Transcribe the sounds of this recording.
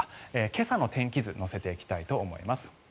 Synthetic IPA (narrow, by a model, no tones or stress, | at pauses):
eːke̞sano̞t̪ẽ̞ŋkʲizɨno̞se̞t̪e̞ikʲi̥t̪ait̪o̞ːmo̞̰ḭmasɨ̥